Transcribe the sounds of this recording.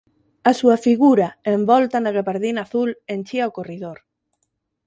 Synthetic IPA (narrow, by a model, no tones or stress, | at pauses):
asuɐfiɣuɾɐembɔlt̪ɐnaɣaβaɾðinaːθulenʲt͡ʃiawkoriðoɾ